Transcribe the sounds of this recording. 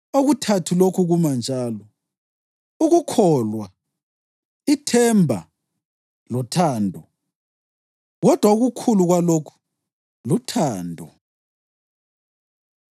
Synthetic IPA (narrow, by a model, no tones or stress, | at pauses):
oɣutʰatʰulokʰuɣumand͡ʒʱaːlɔ | uɣukʰɔːlwa | itʰɛmbʱa̰ | lɔtʰaːndʱɔ | ɣɔd̥ʱwauɣukʰuluɣwalokʰu̥ | lutʰaːndʱɔ